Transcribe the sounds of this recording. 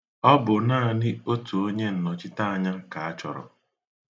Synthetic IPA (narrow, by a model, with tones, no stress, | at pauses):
ɔ˦bʊ˨naː˦˨nɪ˦o˦tu˨o˦ɲe˦n̩˨nɔ˨t͡ʃɪ˦ta˦a˨ɲa˦ka˨a˦t͡ʃɔ̰˨ɾɔ̰˨